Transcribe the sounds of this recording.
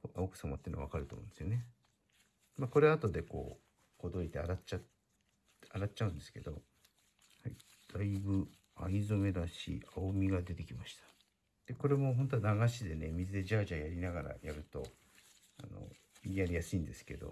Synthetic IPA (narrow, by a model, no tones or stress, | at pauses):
ookɯ̥sama̰t̪eiɨnoaβakaɾɯt̪o̰ːmõ̰nd̪esɨjone | mako̞ɾeat̪o̞d̪e̞ko̞̰ː | ko̞d̪o̞ɾʲit̪e̞aɾat͡ɕa | aɾat͡ɕaɯ̟̃nd̪e̞sɨ̥ke̞d̪o̞ | hai | d̪̥aibɯ̟ | aizome̞d̪aɕḭaomʲiɡad̪e̞t̪e̞kʲimaɕi̥t̪ḁ | d̪̥e̞ko̞ɾe̞mo̞ɦõ̞nt̪̬onaɡaɕid̪e̞nemʲizɨd̪e̞d͡ʑaːʑajaɾʲinaɡaɾa̰jaɾɯ̟t̪o̞ | a̰no̞̰ | iiaɾʲijasɨĩnd̪e̞sɨ̥ke̞d̪o̞̰